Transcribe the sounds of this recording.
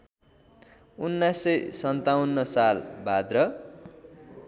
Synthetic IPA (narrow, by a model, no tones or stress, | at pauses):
unːasʌjsʌnt̪awnːʌsalbʱad̪rʌ